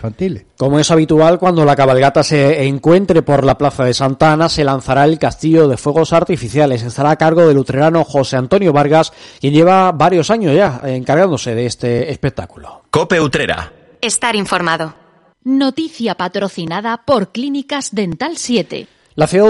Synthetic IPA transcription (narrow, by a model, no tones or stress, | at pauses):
ant̪ilko̞moe̞saβ̞it̪ualkwand̪o̞lakaβalɣat̪ase̞ːŋkwe̞nt̪ɾe̞po̞ɾlaplaθaðe̞sant̪anase̞lan̟θaɾae̞lkast̪iʝo̞ðe̞fwe̞ɣ̞o̞saɾt̪ifiθjale̞se̞st̪aɾaːkaɾɣo̞ðe̞lut̪ɾe̞ɾano̞xo̞se̞ant̪o̞njo̞βaɾɣaskje̞nɟ͡ʝe̞β̞abaɾjo̞saɲo̞zʝaeŋkaɾɣand̪o̞se̞ðeest̪e̞ːspe̞k̚t̪akulokope̞ut̪ɾeɾa̰ | est̪aɾiɱfo̞ɾmaðo | not̪iθjapat̪ɾo̞θinaðapo̞ɾklinikazðe̞nt̪alsje̞t̪e̞̰ | laθeo